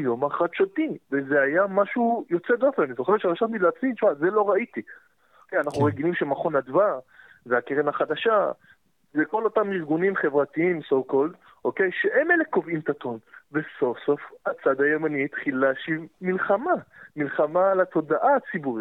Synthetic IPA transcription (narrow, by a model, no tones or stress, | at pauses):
jo̞maχad̪ʃat̪ivezeajamaʃujo̞t͡sed̪ofemanizo̞χeet̪ʃeʁaʃatmilat͡smiʃmaze̞lo̞ʁait̪i | okejanaχnuuʁeɡilimʃemaχo̞nad̪vaʁ | veakeʁenaχad̪aʃa | veko̞lo̞tamiʁɡunimχe̞vʁat̪iimsowkold̪ | ʔoke̞jʃeʔemeleko̞vimt̪at̪o̞nveso̞fso̞fat͡sad̪ajo̞manit̪χilaʃivmilχamamilχamalat̪o̞d̪aʔat͡sibuʁi